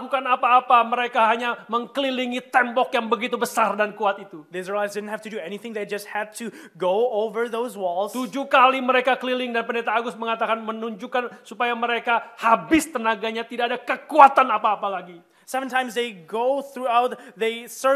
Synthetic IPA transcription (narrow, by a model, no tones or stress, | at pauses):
kukanapaːpaməɾekaɦaɲaməŋkəliliŋit̪ɛmbɔkjaŋbəɡit̪ubəsardankuat̪it̪uðeɪzəɹlazsdɪdⁿn̩thæftudɨɛniθɪ̃ŋðeɪd͡ʒʌst̚hæd̚tʰuɡoʊovə˞ðoʊzwɔlˠzt̪ud͡ʒukaliməɾekakəlilɪŋdanpəndet̪aːɡʊsməŋat̪akanmənuɲd͡ʒukansupajaməɾekahabɪst̪ənaɡaɲat̪idaːdakəkuat̪anapaːpalaɡi | sɛvə̃ntʰãɪ̃mzðeɪɡoʊθɹuaʊt̪̚ðeɪsə